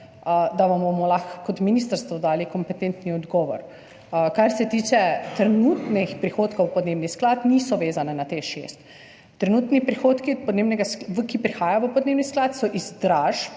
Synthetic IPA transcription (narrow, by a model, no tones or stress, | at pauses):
d̪aʋambomɔlaxkɔt̪miniːst̪aɾst̪ʋɔd̪aːlikɔmpɛt̪ent̪niɔd̪ɡɔːʋɔ̰ɾ | kaɾsɛt̪iːt͡ʃɛt̪ɾɛnuːt̪nɛxpɾixoːt̪kowpɔd̪neːbnisklaːt̪niːsɔʋeːzanɛnat̪eʃḛst̪ː | ɾɛnuːt̪nipɾixoːt̪kipɔd̪neːbnɛɡaskʋəkipɾixaːjaʋəpɔd̪neːbnisklaːt̪sɔʔizd̪ɾaːʒp